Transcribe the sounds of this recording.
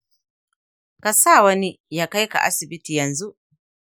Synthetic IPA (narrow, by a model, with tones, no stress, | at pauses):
ka˨saː˦˨wɐ˦ni˦ | ja˦ka˦jka̰˨ʔa˦sɪ˨bɪ˦ti˨jɐ˨nzu˦ʔ